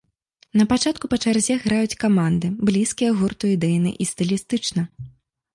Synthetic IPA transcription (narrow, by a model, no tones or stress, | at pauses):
nɐpat͡ʂat̪̚kupɐt͡ʂarzʲɛɣɾajut͡sʲkamand̪ɨblʲiskʲijɐɣurt̪uid̪ɛjnɨ̰ʔist̪ɨlʲist̪ɨt͡ʂnɐ